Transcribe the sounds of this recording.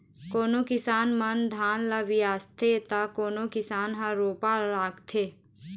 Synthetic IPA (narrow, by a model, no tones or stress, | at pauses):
koːnokɪsaːnmənd̪ʱaːnlaʋijaːst̪ʰet̪akoːnokɪsaːnɦãɾoːpaaːkt̪ʰeː